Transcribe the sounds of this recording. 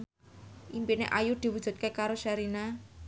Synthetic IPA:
ʔimpineʔajud̪̥i̤wud̥ʒ̥ṳt̪̚kekaɾoʃaɾina

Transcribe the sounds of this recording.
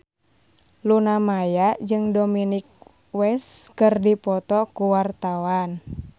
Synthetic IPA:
lunamajaʔd͡ʒɨŋdominik̚ | wɛskɨrdipɔt̪ɔkuwart̪awan

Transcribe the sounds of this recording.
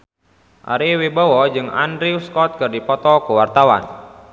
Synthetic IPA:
ʔa̰ɾiwibɔwɔd͡ʒɨŋa̰ndɾiuskɔt̪̚kɨrdipɔt̪ɔkuwart̪awa̰n

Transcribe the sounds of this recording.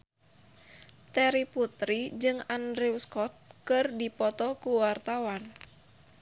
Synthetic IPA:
t̪ɛɾiput̪ɾid͡ʒɨŋandɾɛuskɔt̪̚kɨrdipɔt̪ɔkuwart̪awan

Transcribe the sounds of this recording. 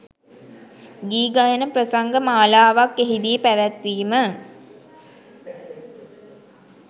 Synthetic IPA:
ɡiːɡajənəpɾəsaŋɡəmaːlaːʋakːeɦid̪ijəpæʋæt̪ʋiːmə

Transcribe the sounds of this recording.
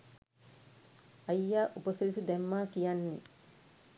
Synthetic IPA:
ɐjːaːʔupəsilisud̪æmːaːkijanːe

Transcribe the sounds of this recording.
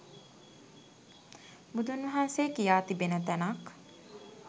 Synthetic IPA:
bud̪unʋɐɦanseːkijaːt̪ibenət̪ænɐk

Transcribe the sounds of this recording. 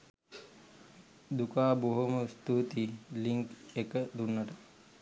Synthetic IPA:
d̪ukaːboɦoməst̪ut̪iliŋkekəd̪unːɐʈə

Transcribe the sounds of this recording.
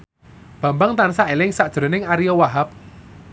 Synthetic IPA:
b̥ä̤mbaŋt̪ansaʔelɪŋsaʔd̥ʒ̥ɾo̤nɪŋaɾijowaɦap̚

